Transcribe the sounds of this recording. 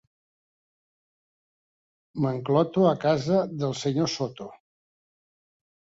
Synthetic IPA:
məŋklɔt̪oəkazəðəlˠsəɲosot̪o

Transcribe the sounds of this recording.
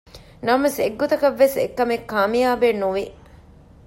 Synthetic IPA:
nɐmɐseɡːot̪ɐkɐʋːesḛkːɐmekːaːmijaːbeːnːuʋi

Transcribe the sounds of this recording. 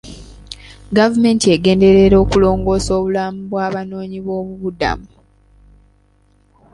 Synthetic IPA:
ɡavume̞ːntie̞ɡe̞ːnde̞ɾeɾo̞ːkulo̞ːŋɡo̞ːso̞ːβulamuβwaːβano̞ːɲiβo̞ːβuβuda̰mu

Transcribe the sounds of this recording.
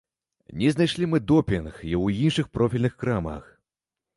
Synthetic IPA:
nʲɛznajʂlʲimɨd̪ɔpʲinxiwinʂɨxpɾɔfʲilʲnɨxkɾamɐ̰x

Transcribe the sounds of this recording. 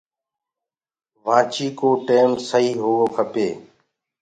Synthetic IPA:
ʋãːt͡ʃiːkoːʈeːmsəɦiːɦoːɡoːkʰəpeː

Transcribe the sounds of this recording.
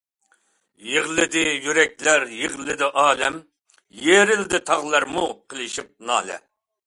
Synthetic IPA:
jeʁlˠɪd̪ɪjyɾɛk̚ʲlæɾjeʁlˠɪd̪ɪʔɑːlɛm | jeɾɪld̪ɪt̪ʰɑʁlˠɑɾmuqʰəlˠɪʃip̚nɑ̰ːlɛ̰

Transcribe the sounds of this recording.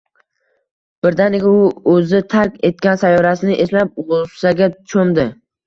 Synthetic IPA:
b̥ɪɾd̪anekʲʰaʊɵzɪt̪ʰaɾkʲe̞t̪̚kʲansajɒɾasɪnɪʔe̞slap̚ʁʊsaɡʲat͡ʃʰomd̪ɪ

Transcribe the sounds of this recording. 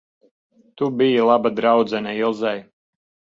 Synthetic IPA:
t̪ubijilˠabad̪ɾawd̪zɛnajilˠzɛj

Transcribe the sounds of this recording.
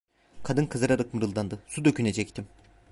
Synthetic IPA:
kʰad̪ɯnkʰɯzaɾaɾɯkmɯɾɯlˠd̪and̪ɯsud̪ø̞cʰyne̞d͡ʒɛct̪ʰim

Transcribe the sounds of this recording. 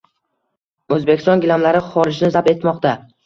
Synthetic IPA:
ɵzbekʲɪ̥st̪ɒnɡʲɪlamlaɾɪχɒɾɪʃnɪzab̪e̞t̪mɒqt̪a

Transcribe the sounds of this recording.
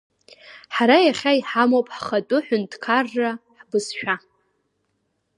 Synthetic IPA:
ħaɾajaχʲaiħamopʼħχatʼʊħʊntʰʼkʰarːaħbɨsʃᶣa

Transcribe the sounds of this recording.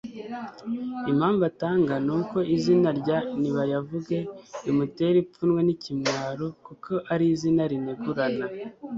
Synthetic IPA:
imhaːɱvataːŋɡanuːko̞ʔizinaɾɟaniβajavuɡe̞imute̞ɾip͡funwe̞nicimŋaːɾokuko̞ʔaɾizinaɾineɡuɾana

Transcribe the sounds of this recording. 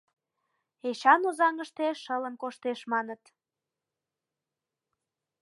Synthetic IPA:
eɕɑnozɑŋəʃt̪eʃələmkoʃt̪eʃmɑnət̪

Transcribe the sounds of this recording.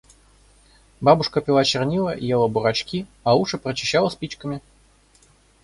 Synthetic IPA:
babʊʂkəpʲɪlˠat͡ɕɪrnʲilˠəjelˠəbʊɾat͡ɕkʲiɐuʂɨpɾət͡ɕɪɕːalˠəsʲpʲit͡ɕkəmʲɪ

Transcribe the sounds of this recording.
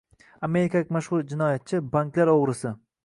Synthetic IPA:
ame̞ɾɪkʲʰalɪkʲmaʃχʊɾd͡ʒɪnɒjat̪̚t͡ʃʰɪbaŋkʲlaɾoʁɾɪsɪ

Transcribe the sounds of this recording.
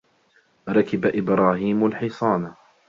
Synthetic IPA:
ɾˤɑkɪbaʔɪbɾˤɑːhiːmalħɪsˤɑːna

